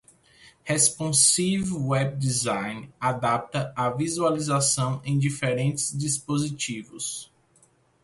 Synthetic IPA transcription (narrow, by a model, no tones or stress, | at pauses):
hespõsivewɛb̚d͡ʒizãjnad̪ap̚t̪ɐavizualizasɐ̃w̃ẽj̃d͡ʒifeɾẽnt͡ʃɪ̥zd͡ʒispozit͡ʃivʊ̰s